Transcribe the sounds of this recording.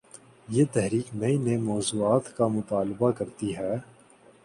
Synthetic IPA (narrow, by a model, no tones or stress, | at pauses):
jeːt̪ɛɦɾiːkmeinemɔːzuːaːt̪kamʊt̪aːlɪbakɐɾt̪iɦɛː